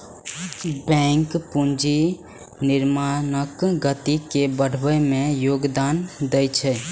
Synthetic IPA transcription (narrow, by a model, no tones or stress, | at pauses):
bɛ̃ŋkpund͡ʒi | niɾmanəkɡət̪ikebəɽ̤bəmẽjoɡd̪and̪ɛjt͡ʃʰɛ